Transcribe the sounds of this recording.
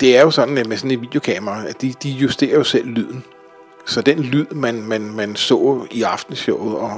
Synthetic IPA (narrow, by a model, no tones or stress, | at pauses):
d̥e̝æɐjo̝sɒ̽n̥n̩æmesɒ̽ne̝nʋḭːd̥jo̝kʰɛ̰mɐɑæd̥id̥ijusd̥e̝̰ːɐjo̝sel̰lyð̰ˠn̩ | sɒ̽d̥enlyð̰ˠmænmænmænsɔ̰̽ːiɑ̈fd̥n̩sɒʊð̩ˠɒ̽